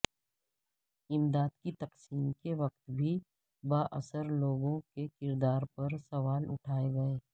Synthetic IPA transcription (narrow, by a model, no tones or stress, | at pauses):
ɪmd̪aːd̪kit̪ɐqsiːmkeʋɐq̚t̪bʱi | baːʔəsəɾloːɡõkekɪɾd̪aːɾpɐɾsɐʋaːlʊ̰ʈʰaːeɡɐeː